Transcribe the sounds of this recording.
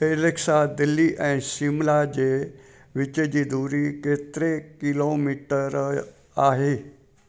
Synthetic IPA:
eɾeksad̪ilːiʔɛ̃simlad͡ʑe | ʋit͡ɕed͡ʑid̪uɾiket̪ɾekilomiʈəɾ | aɦe

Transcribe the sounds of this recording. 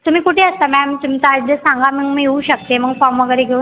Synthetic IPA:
t̪um̤iːkuʈʰeːəst̪amɛmt̪umt͡ɕad̪əsãŋɡaməɡmiɦeuɕək̚t̪eməɡfɔmʋəɡəɾeɡʱeu

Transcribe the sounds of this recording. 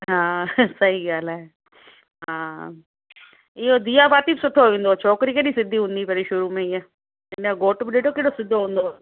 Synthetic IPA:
ɦãːsɐɦiɡaːlaɛː | ɦãː | ɪod̪ijaːbaːt̪iːbsʊʈʰːoʋẽːnd̪ot͡ʃʰɔːkɾikenĩsɪd̪ʱːiːɦʊ̃ːnd̪iːpɛɾiʃʊɾuːmẽiɛː | ɪnaɡoːʈbɗeːɖoːkɪɽoːsɪd̪ʱoɦõːnd̪oː

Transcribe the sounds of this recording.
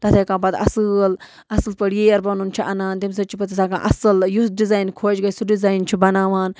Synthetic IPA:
t̪ɐt̪ʰeːkãːbɐt̪ɐ̰sɨl | ɐsɨlpɐɽjeːjɐɾbɐnunt͡ʃʰiʔɐnaːnt̪ims̬ɐt͡ʃʰipɐt̪isaːkã̰ːʔɐsɨljusɖizaːjnkʰoːt͡ʃɡɐjsuɖizaːjnt͡ʃʰibɐnaːʋaːn

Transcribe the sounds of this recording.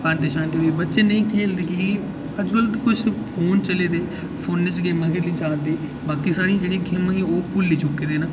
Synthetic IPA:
pand̪ɪʃãːnd̪eibət̪ːʃeːnəĩːkʰeːld̪eːkɪ | əd͡ʒkəlt̪ekʊt͡ʃʰpʰoːnt͡ʃəleːd̪eː | pʰoːnːɪt͡ʃɡeːmãːkeɾliːd͡ʒãːnd̪eː | baːkisaːɽijãːd͡ʒeːɽiãːɡʱemãːĩoːpʊlːiːt͡ʃʊkːeːd̪eːnaː

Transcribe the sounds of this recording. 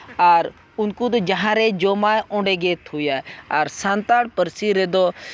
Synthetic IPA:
əɾ | ʊnkũːd̪d͡ʒəɦãːɾeːd͡ʒoːmaːõːɳɖeːɡeːt̪ɦuːjaːəɾsãːnt̪aːɽpəɾsiːɾeːd̪oː

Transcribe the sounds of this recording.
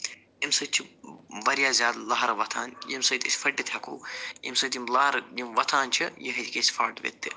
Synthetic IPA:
imsɐt͡ʃʰibɐɾjaːzʲaːd̪lɐɦɐɾɐʋɐt̪ʰaːnjimsɐt̪ʲisʲfɐɖit̪ʰʲɐkʰo̰ːjimsɐt̪ʲimlaːɦɾjimʋɐt̪ʰaːnt͡ʃʰijiɦɐt̪ʲikʲesʲfʰaːɾʈʋḛt̪ːḭ

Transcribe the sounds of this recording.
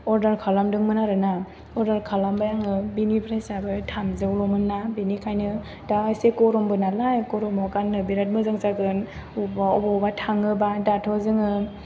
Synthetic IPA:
ɔɾdaɾkʰalamdɯŋmɯnaɾɯna | ɔɾdaɾkʰalambajaŋɯbinipʰɾajsabɯtʰamzɯwlɔmɯnːabinikʰajnɯ | daajsekɔɾɔmbɯnalajkɔɾɔmɔkanːɯbiɾat̚mɯzɯŋzaɡɯnubaɔbɔbatʰaŋɯbadatʰɔzɯŋɯ

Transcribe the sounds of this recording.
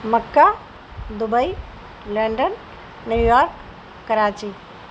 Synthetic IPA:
mɐkːa | d̪ʊbəi | lɐɳɖənː | juːjaːɾkː | ɐɾaːt͡ʃi

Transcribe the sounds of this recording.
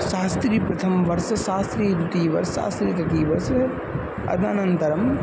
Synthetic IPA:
ʃaːst̪ɾiːpɾɐt̪ʰɐmʋɐɾsɐʃaːst̪ɾiːɾut̪iːʋɐ̰ɾsa̰ːst̪ɾiːt̪ɐkiːʋɐɾs | ɐ̰d̪na̰ːnɐnt̪ɐɾɐm

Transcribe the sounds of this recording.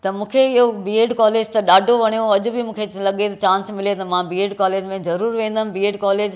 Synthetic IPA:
t̪ɐmũːkʰeɪɦobieːɖkaːleːd͡ʑt̪ɐɗaːɖʱoʋɐɽ̃ijoɐʄʊbɪmũːkʰelɐɠet̪ɐt͡ɕãːnsmɪlet̪ɐmãbiːeːɖkaːleːd͡ʑmẽzɐɾuːɾʋẽːnd̪ənʊ̃biːeːɖkaːleːd͡ʑ

